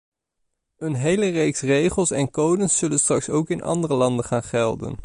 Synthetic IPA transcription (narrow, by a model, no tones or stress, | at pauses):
ɵnɦejlərejksrejχəlˠsɛnkowdənsɵlənstrɑksowkɪnʔɑ̰ndərəlɑndəχaːnχɛlˠdə̰n